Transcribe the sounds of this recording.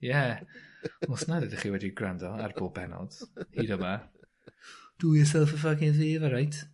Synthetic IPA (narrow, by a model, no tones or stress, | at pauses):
jɛ | osnadɛdiχiwɛdiɡrandɔarboːbɛnɔ̰lˠd̥hidɔma | d̥ujəs̬ɛlˠfəvaɡɪnðiːvaɾajtʰ